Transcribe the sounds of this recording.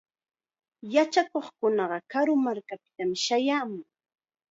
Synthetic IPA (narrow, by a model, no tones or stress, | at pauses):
jat͡ʃakoχkʊnɑɢɑkaɾʊmaɾkapɪ̥t̪amɪʃajaːmʊŋ